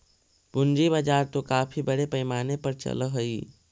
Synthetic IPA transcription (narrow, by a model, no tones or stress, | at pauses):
bʊnd͡ʒiβad͡ʒaːɾt̪okaːpʰibəɽepəɪmaːnepəɾt͡ʃə̰lɦoi